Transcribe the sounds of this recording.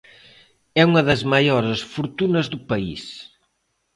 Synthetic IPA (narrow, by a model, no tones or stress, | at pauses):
ɛuŋɐðɐzmɐjɔɾɐsfuɾt̪unɐzðupɐḭs